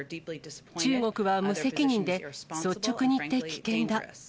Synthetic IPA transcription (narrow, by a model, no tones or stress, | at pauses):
t͡ɕɨːŋo̞kɯ̟βamɯ̟se̞kʲiɲ̟ĩnd̪e̞so̞t͡ɕːo̞kɯ̟ɲ̟iːt̪ːe̞kʲi̥kẽ̞nd̪a